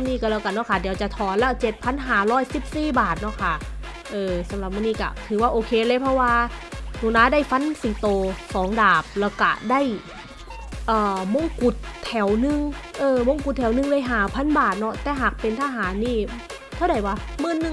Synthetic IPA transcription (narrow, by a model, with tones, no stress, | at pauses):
niː˧˩kaː˧˩lɛː˧˩wka˧˩nɔ˧˥˨kʰa˧˩diː˨˩˦wt͡ɕa˨˩t̪ʰɔː˨˩nlɛ˦˥˩t͡ɕe˨˩t̪̚pʰa˧˥˨nɦaː˨˩˦ɾɔː˧˥˩jsi˨˩p̚siː˧˩baː˨˩t̪̚nɔ˧˥˩kʰa˧˥˩ | ʔɤː˧˩sa˨˦mla˨˧˩p̚maː˧˥nːiː˧˩ka̰˧˩t̪ʰɯː˨˦waː˧˩ʔoː˧kʰeː˧lɤː˧˥jpʰɔ˧˥waː˧nuː˨˧˩naː˧˥daː˥˩jfa˧˥˨nsiː˨˦t̪oː˧sɔː˨˩˦ŋdaː˨˩p̚lɛː˧˥˩wka̰˧˩da˥˩j | ʔɤː˨˩mo˧˥˨ŋku˨˩t̪ʰːɛ˩˦wnɯ˧ŋʔɤː˧˩mo˧˥˨ŋku˨˩t̪ʰːɛ˨˦wnɯ˧ŋda˧˥˩jɦaː˨˩˦pʰa˧˥˨nbaː˨˩t̪̚nɔ˦˧˥t̪ɛː˨˩ɦaː˨˩k̚pe˧nt̪ʰaː˧˥˩ɦaː˨˦nːiː˧˩ | t̪ʰa˧˩da˨˩˦jwaː˧˩mɯː˧˥˨nːɯ˧˩